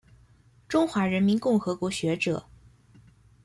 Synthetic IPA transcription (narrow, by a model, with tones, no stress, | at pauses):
ʈ͡ʂʊ˥ŋxwa˧˥ɻə˧˥nmi˧˥nkʊ˥˩ŋxɤ˧˥kwɔ˧˥ɕɥɛ˧˥ʈ͡ʂɤ̰˨˩˦